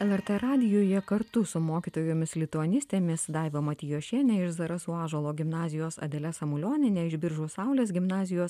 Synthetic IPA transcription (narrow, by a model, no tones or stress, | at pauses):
ɛlˠɛɾt̪ɛɾɑːd̪ʲɪjoːjɛkɐɾt̪ʊsʊmoːkʲiːt̪oːjoːmʲɪslʲɪt̪uɐnʲɪsʲt̪ʲeːmʲɪsd̪ɑɪʋʲomɐt̪ʲɪjoːʃʲiɛnʲɛɪʃzɐɾɐsuːɑːʒɐlˠoːɡʲɪmnɑːzʲɪjoːsɐ̰d̪ʲɛlʲɛsɐmʊlʲoːnʲɪnʲɛɪʒʲbʲɪɾʒoːsɐʊlʲeːsɡʲɪmnɑːzʲɪjoːs